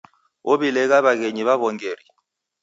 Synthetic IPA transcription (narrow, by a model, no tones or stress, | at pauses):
oɓilɛk̬aβak̬eɲiβaβɔŋeːri